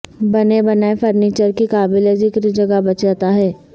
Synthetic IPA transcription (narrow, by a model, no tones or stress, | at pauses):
bɐnebɐnaːefʰɐɾniːt͡ʃəɾkikaːbɪlezɪkɾid͡ʒɐɡabɐt͡ʃaːt̪aɦɛː